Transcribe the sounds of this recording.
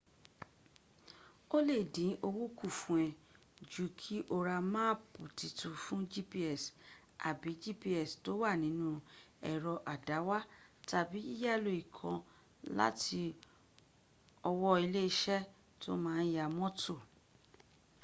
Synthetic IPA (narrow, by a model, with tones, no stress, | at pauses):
o˦le˦˨dĩ˨˦ʔo˧wu˦ku˦˨fũ˨ɛ̃˨ | d͡ʒu˨kʰi˦ʔo˦ɾa˧mã˦pu˨ti˧tũ˧fũ˦d͡ʒi˦pi˦ɛ˦˨s | a̰˨bi˨˦d͡ʒi˦˨pi˧ɛ˨sto˦wa˦˨nĩ˨˦nũ˦ɛ˨ɾɔ˧ʔa˨da˨˦wa˦ta˨bi˨˦i˦ja˦˨lo˧˨i˨kʰã˧ | la̰˦tʰi˧ | ɔ˧wɔ˦i˧le˦i˧ʃɛ˦ | to̰˦mãː˦˧˦n̩˦ja˧˨mɔ̃˦tʰo˦˨